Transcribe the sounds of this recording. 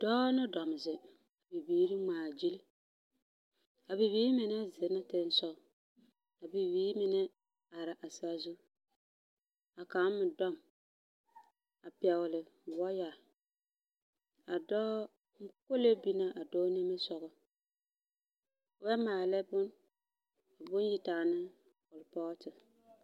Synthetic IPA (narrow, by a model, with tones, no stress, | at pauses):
d̥ɔː˦nɪ˦dɔ˨mɪ˨sɪ˨ | a˨bi˨biː˨˦ɾi˦ŋ͡maː˨d͡ʒi˦l | a˨bi˨biː˦mɪ˨nɛ˦zɪ˨˦na˦te˦n˦sɔ˦ɡ | a˨bi˨wiː˦mɪ˨nɛ˦ | a˨ɾɪ˨ʔa˨sa˨zʊ˦ | a˨ka˨˦m˦mɪ˨dɔ˦m | a˨pɛ˨wʊ˨lɪ˨wɔ˦ja˨ | a˨dɔː˦ | ko˦le˦bi˦na˦ʔa˨dɔː˦ne˦me˦sɔ˦ɣʊ˦ | wɛ˦maː˨lɛ˦bʊ˦n | a˨bʊ˦n˦ji˨taː˨nɨ˦ | ʊ˨lpɔ˦ɣtɨ˨